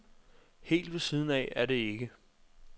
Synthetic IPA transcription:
he̝̰ːld̥ʋe̝siːð̞ˠn̩ɛ̰æɐɾe̝e̝ɡ̥ə

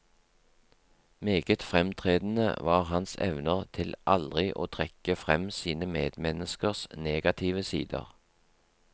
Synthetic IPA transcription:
meːɡət̪fʁɛmt̪ʰʁeːd̪n̩ə̰ʋɑːʁɦɑnsɛ̰ʋnəʁt̪ʰɪlʔɑld̪ʁɪʔo̰ːt̪ʰʁɛkəfʁɛmsiːnəmeːd̪̥mɛnəskəʁsneːɡɑt̪ʰiːʋəsḭːd̪ə̰ʁ

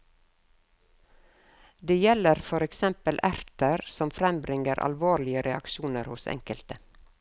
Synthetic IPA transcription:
d̪eːjɛləɾfɔɾɛksɛmpəlʔæɾt̪əɾsɔmfɾɛmbɾɪŋəɾʔɑ̰lʋoːɾɭɪəɾɛɑ̰kʃuːnəɾhʊsɛ̰ŋkəlt̪ə

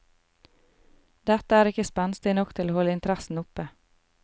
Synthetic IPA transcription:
d̪ɛt̪əæːɾɪkəspɛnst̪ɪnɔkt̪ʰɪloːhɔlːəɪnt̪əɾæsn̩ʊpə

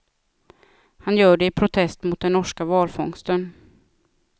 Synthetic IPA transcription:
hanjœːɖɛɪpʰɾʊt̪ʰɛst̪mʊt̪̚d̪ɛnːɔʂkavɑːlfɔŋst̪ən

